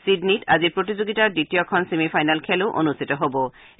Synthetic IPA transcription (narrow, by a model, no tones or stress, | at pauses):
sidnita̰zipɹot̪̬id͡ʑoɡitaɹditijɔkʰɔnsemifʰajnalkʰɛloʔo̰nust̪ʰit̪ɔɦobɔ